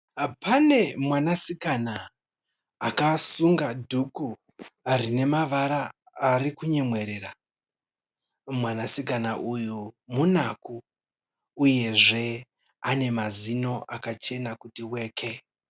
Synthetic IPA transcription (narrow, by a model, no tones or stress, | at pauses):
pane̞mwanasikanaː | kasuŋɡadʱuku | arine̞maʋaɾaː | rikuɲe̞mwe̞ɾe̞ra | mwanasikanaʔujumunakuː | je̞ʐe̞ | ane̞mazino̞ʔakat͡ʃe̞nakutiwe̞ːkʰe